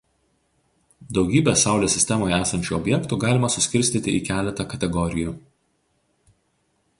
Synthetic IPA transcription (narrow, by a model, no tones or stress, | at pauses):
d̪ɒʊɡʲiːbʲɛsɑˑʊlʲoːsʲɪsʲt̪ʲɛmoːjæːsɐnʲt͡ʃʲuːˑɔbʲjɛkt̪uːˑɡɑːlʲɪmɐsʊsʲkʲɪɾʲsʲt̪ʲiːt̪ʲɪʔiːkʲæːlʲɛt̪ɐkɐt̪ʲɛɡɔɾʲɪjuːˑ